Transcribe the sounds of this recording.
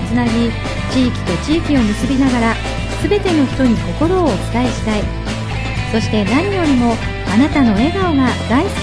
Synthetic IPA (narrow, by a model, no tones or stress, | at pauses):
t͡sɨnabʲi | t͡ɕiːkʲi̥t̪o̞t͡ɕiːkʲio̞mʲisɨbʲinaɡaɾa | sɨbe̞t̪e̞no̞çi̥t̪o̞ɲ̟iko̞ko̞ɾo̞ːt͡sɨ̥t̪aeɕi̥t̪ai | so̞ɕi̥t̪e̞naɲ̟ijo̞ɾʲimo̞ | anat̪ano̞e̞ɡaoɡad̪̥ai